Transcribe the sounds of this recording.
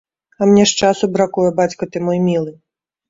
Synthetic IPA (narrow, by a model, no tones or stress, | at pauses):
ɐmnʲɛʂt͡ʂasʊbɾakujɐbat͡sʲkɐt̪ɨmɔjmʲilˠɨ